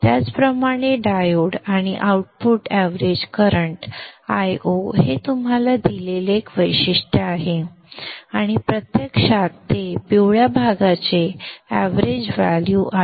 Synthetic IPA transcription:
t̪jat͡spɾəmaɽ̃eɖajoɽaɽ̃iʔauʈ̚puʈæʋɾed͡ʑkəɾəɳʈajoɦet̪umɦalad̪ileleekʋəjɕiʂʈəaɦe | aɽ̃ipɾət̪jəkʂat̪ːepiwɭjabʱaɡat͡seæ̰ʋɾed͡ʑʋæljuʔa

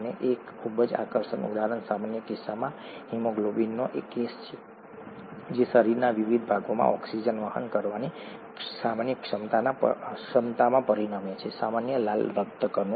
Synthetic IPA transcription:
neʔekkʰubəd͡ʒa̰kəɾsənṵd̪aɾənsamanjəkɪsːamã | himoɡlobinːoʔekːest͡ʃʰe | d͡ʒesəɾiɾnaʋiʋid̪ʱbʱaɡomã̰ʔɔksid͡ʒənʋaɦə̰nkəɾʋane | samanjəkʂəmt̪ana̰ʂəmt̪amãpəɾinamet͡ʃʰesamanjəlalɾəkt̪əkəno

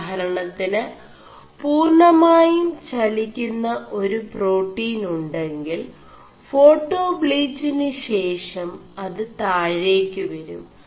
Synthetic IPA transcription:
ɐɾɐɳɐt̪ːinɨ | puːrɳɐmaːjumt͡ɕɐlikʲːunːɐʔo̞ɾupro̞ːʈːiːnuɳɖe̞ŋɡil | fo̞ːʈːo̞ːbɭiːd͡ʑinɨɕe̞ːʂɐmɐðɨt̪aːɻeːkʲːuʋɐɾum

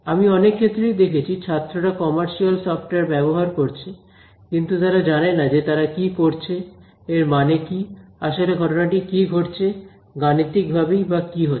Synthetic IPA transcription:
amiɔnekʰːet̪ːɾejd̪ekʰet͡ɕʰit͡ɕʰat̪ːɾoʈakɔmaɾʃialsɔfʈeɾbɛboɦaɾkoɾt͡ɕʰe | kint̪ut̪aɾad͡ʑanenːad͡ʑet̪aɾakikoɾt͡ɕʰe | eɾmanekiaʃoleɡʱɔʈonaʈikiɡʱoʈt͡ɕʰe | ɡanit̪ik̚bʱabejbakiɦo

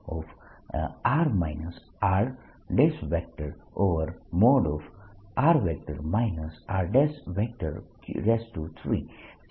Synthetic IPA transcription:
ɔf | aɾmaɪnəs | aɾ | ɖesʋɛk̚ʈəɾoʋəɾmoːɖɔfaɾʋɛk̚ʈəɾmaɪnəsaɾɖesʋɛk̚ʈə̰ɾkɖesʈut̪ʰɾḭː

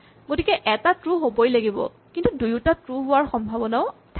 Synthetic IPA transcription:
ɡotikɛʔɛtatɹuɦobojlaɡibɔ̰ | kintudujutatɹuɦʊaɹxɔmbʱabɔnaʊ | tʰ

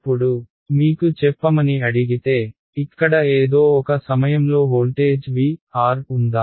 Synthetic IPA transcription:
ɐpːuɽu | miːkut͡ʃɛpːɐmɐniɐɽiɡit̪e̞ː | ikːɐɽɐeːd̪o̞ːɔkɐsɐmɐjɐmlo̞ːɦoːlʈe̞ːd͡ʒʋiːaːɾund̪aː

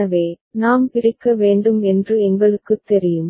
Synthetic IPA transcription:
ɐʋeː | naːmpɪɾɪkːɐʋeːɳɖɯmɛndrɯɛŋɡɐɭɯkːɯt̪ːɛɾɪjɯm

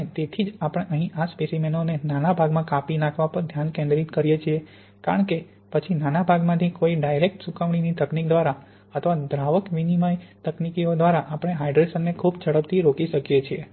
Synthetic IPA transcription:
et̪et̪ʰid͡ʒapəɽ̃eʔəɦĩʔaspesimenonenanabʱaɡmãkapinakʰʋapəɾd̪ʱjankɛ̃nd̪ɾit̪kəɾijet͡ʃʰie | kaɾəɳke | pət͡ʃʰinanabʱaɡmãt̪ʰikoiɖajɾek̚ʈsukaʋɳ̃init̪əknikd̪ʋaɾa | ət̪ʰʋad̪ɾaʋəkʋinimajt̪əknikiod̪ʋaɾaʔapəɽ̃eɦajɖɾesənːekʰubt͡ʃʰəɽəpt̪ʰiɾokiʃəkijet͡ʃʰie

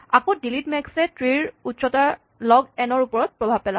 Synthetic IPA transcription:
akõdilitmɛksɛtɹiɹutsɔta | lɔɡɛnɔɹupɔɹɔt̚pɹɔbʱab̚pɛla

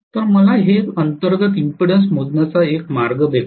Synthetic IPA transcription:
t̪əɾməlaɦeənt̪əɾɡət̪impiɽəns̬m̤od̪nat͡saekmaɾɡəd̪e

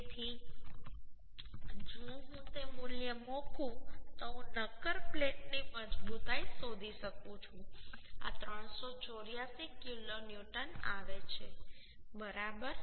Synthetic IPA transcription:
t̪ʰi | d͡ʒõɦũt̪emuljəmokʰũt̪oɦũnəkəɾpleʈniməd͡ʒbut̪aisod̪ʱiʃəkũt͡ʃʰũa̰t̪ɾəɳsot͡ʃoɾjasikjulonjuʈənaʋet͡ʃʰe | bəɾabəɾ

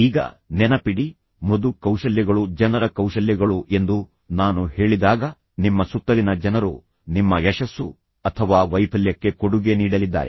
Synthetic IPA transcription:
iːɡɐ̰ | nɛnɐpiɽi | mod̪ukɐwʃɐljɐɡɐɭud͡ʒɐnɐɾɐkɐwʃɐljɐɡɐɭuʔe̞nd̪u | naːnuhe̞ːɭid̪aːɡɐ | nimːɐsut̪ːɐlinɐd͡ʒɐnɐɾṵ | nimːɐjɛʃɐsːu | ɐt̪ʰɐʋaːʋɐjpʰɐljɐkːe̞koɽuɡe̞niːɽɐlid̪ːa̰ːɾe

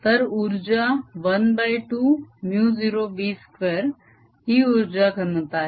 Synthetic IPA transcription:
t̪ɐɾuɾd͡ʒaʋɐnbaiʈumjuːziːɾoːʋiːskʋeːɾ | ɦiuɾd͡ʒakənət̪aːɦ

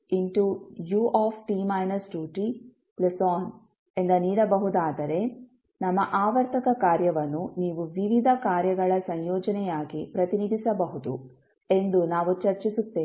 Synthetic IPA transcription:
inʈujuːʔaːpʰʈimɐjnɐsɖjuːʈi | plɐsaːn | e̞nd̪ɐniːɽɐbɐɦud̪aːd̪ɐɾe̞ | nɐmːɐʔaːʋɐɾt̪ʰɐkɐkaːɾjɐʋɐnːuniːʋuʋiʋid̪ʱɐkaːɾjɐɡɐɭɐsɐɲjɔːd͡ʒɐnɛjaːɡipɾɐt̪inid̪ʱisɐbɐɦud̪ṵ | e̞nd̪unaːʋut͡ʃɐɾt͡ʃisut̪ːeː

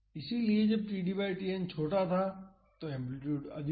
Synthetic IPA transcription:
ɪsilied͡ʒɐb̚ʈiːɖiːbaːɪʈiɛnt͡ʃʰoːʈat̪ʰa | t̪oɛ̃mplɪʈjuːɖɐ̰d̪

